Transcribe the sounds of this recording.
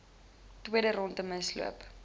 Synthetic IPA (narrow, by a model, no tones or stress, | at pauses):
twiəɾəɾɔntəməslṵəp